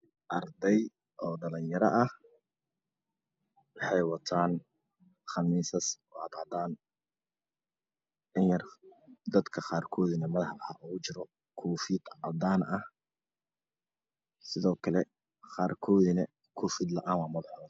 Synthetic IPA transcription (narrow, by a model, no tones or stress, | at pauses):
ʔɐrd̪ɛj | ʔɔːɖɐlɐnjɐɾɐʔɐh | wɑħɑjwɑt̪ʰaːn | χɑmiːsɐsɔːɑd̪ɑd̪aːn | ʔɪnjɐrd̪ɐd̪kʰɐχaːrkʰɔːðɪnɐmɐðɐħħɑʊɣʊt͡ʃɪɾɔ | kʰuːfiːd̪ɑd̪aːnɐh | sɪðɔːkʰɐlɛ | χaːrkʰɔːðɪnɐ | kʰɔːfid̪lɐʔaːnwɑːmɐðʊħɐ